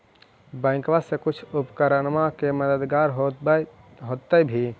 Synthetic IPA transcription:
bə̃ɪ̃kʋasẽkut͡ʃʰupkəɾənmakeməd̪əd̪ɡaɾɦo | ɦot̪əbʱi

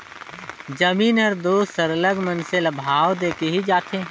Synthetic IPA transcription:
d͡ʒəmiːnəɾd̪oːsəɾələɡmənselɐbʱaːʋd̪eːkeɦid͡ʒaːt̪ʰeː

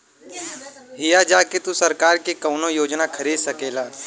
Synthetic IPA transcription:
ɦɪjad͡ʒaːket̪usɐɾkaːɾkekɐːnojoːd͡ʒnakʰɐɾiːd̪sɐkeːlaː

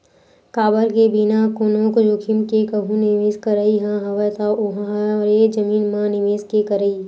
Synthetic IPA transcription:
kaːbəɾkebinakʊnõːkd͡ʒokʰɪmkekəɦũnɪʋeːskəɾəiɦãɦɐʋət̪aʔʊɦãɾed͡ʒɐmiːnmãnɪʋeːskekəɾəiː

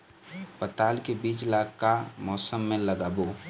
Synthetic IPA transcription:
pət̪aːlkebiːt͡ʃlaːkkamɔːsəmːẽləɡaːboː

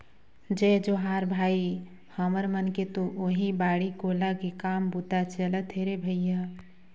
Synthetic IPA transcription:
d͡ʒɛd͡ʒoɦaːɾbʱaːi | həməɾmənket̪oʔoɦibaːɽikolaɡekaːmbut̪at͡ʃələt̪ʰɦeɾebʱəɪja

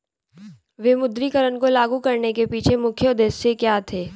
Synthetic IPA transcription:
ʋeːmʊd̪ɾikəɾənkolaːɡukɐɾnekepiːt͡ʃʰemʊkʰjəd̪esːekjaːt̪ʰeː

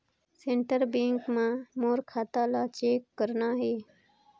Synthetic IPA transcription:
sẽɳʈəɾbẽːŋkmãːmoːɾkʰaːt̪aːlaːt͡ʃeːkːəɾnaːɦeː

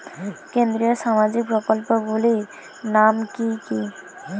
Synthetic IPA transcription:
kend̪ɾiɔsamazik̚pɹɔkɔlpɔbuli | namkiki

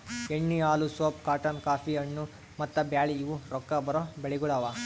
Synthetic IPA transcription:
eɳːiaːlusoːp̚kaːʈɐnkaːfiɐɳːu | mɐt̪ːɐbjaːɭiːʋuɾɔkːɐbɐɾobeɭiɡuɽaʋa

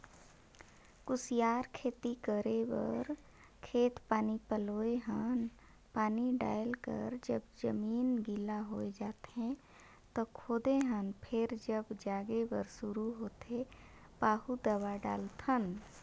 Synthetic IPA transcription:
kʊsijaːɾkʰeːt̪ikəɾewə̰ɾ | kʰeːt̪paːnipəloːeɦən | paːniɖa̰ːjəlkə̰ɾd͡ʒəbd͡ʒəmiːnɡɪlaɦoːed͡ʒaːt̪eɦɛ̃ | t̪ɔkʰoːd̪eɦənpʰɪɾd͡ʒəbd͡ʒaːɡewə̰ɾsʊɾuɦoːt̪e | paːɦud̪əwaɖa̰ːlt̪ʰən

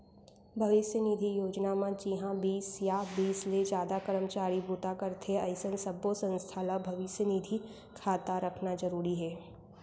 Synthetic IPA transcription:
bʱɐʋɪʃjənid̪ʱijoːd͡ʒnamãd͡ʒiɦãbiːsjabiːsled͡ʒjaːd̪akəɾəmt͡ʃaːɾibut̪akɐɾt̪ʰeɐɪsənsɐbosə̃nst̪ʰaːlabʱɐʋɪʃjənid̪ʱi | kʰaːt̪aɾɐkʰnazɐɾuːɾiɦɛː

